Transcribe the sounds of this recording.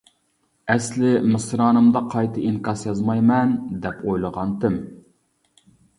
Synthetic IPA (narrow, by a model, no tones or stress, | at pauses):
ɛslɪmɨsɾɑːnɨmd̪ɑqʰɑjt̪ʰɨʔiŋkɑsjɑzmɑjmɛnd̪ɛpʰojlˠəʁɑnt̪ɪm